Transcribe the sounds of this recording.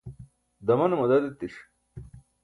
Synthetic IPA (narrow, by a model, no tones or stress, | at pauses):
d̪ɐmɐnɐmɐd̪ɐd̪et̪ːiʂ